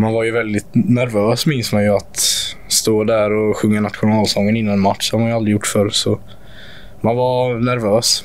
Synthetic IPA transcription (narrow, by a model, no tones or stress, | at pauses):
manvaɾjɵvɛld̪ɪt̪næɾvøːsmɪnsmanjɵat̪st̪oːd̪æɾɔɧɵŋːanat̪ɧʊnɑːlsɔŋːənɪnːanmat̪ʂhaɾmanjəald̪ɾɪjʊʈːfœɾsɔ | manvaɾnæɾvøːs